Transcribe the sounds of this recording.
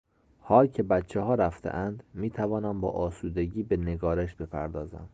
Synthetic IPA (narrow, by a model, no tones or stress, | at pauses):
hɒːlcʰe̞bæt̪t͡ʃʰːeɦɒːɾæft̪ʰḛʔænd̪miːt̪ʰævɒːnæmbɒ̰ːʔɒːsuːd̪e̞ɟiːbene̞ɡɒːɾeʃb̥e̞pʰæ̰ɾd̪ɒːzæ̰m